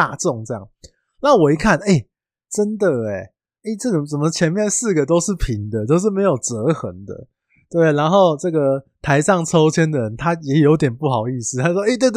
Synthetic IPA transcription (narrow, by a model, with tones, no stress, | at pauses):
a˥˧t͡sʊ˥˨˩ŋʈ͡ʂɤ˥˧jɑ̰˥˨˩ŋ | na˥˨wɔ˨˩i˧˥kʰa˥˨ne˥˩ɪ | ʈ͡ʂə˦nd̪ə˨e˨˩ | e˥˩ʈ͡ʂɤ˥˩ɡə˨˩t͡sə˨˩mə˦t͡ɕʰjɛ˧˥nmjɛ˥˧nsɹ̩˥˩ɡə˩t̪o˥ʊʂɻ̩˥˩pʰi˨˥ŋd̪ə˨t͡ɕo˥˧ʊʂ̬ɻ̩˥˩me˧˥ɪjo˨˩ʊʈ͡ʂə˧˥xə˧˥ŋd̪ə̰˧ | t̪we˥˩ɪ˩a˧˦nxo˥˧ʊʈ͡ʂɤ˥˩ɡə˩t̪ʰa˧˥ɪsɑ˥˩ŋt͡sʰo˥ʊt͡ɕʰjɛ˥nd̪ə˨˩ɻə˧˦nt̪ʰa˥jɛ˧˥jo˧˥ʊt̪jɛ˨˩npu˥˩xɑ˨˩ʊi˥˧sɹ̩˥˩t̪ʰa˥wɔ˥e˥˧t̪we˥˧ɪt̪